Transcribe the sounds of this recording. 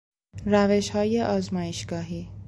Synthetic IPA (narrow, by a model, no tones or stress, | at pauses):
ɾæveʃhɒːjeʔɒːzmɒːjeʃɡ̥ɒːɦiː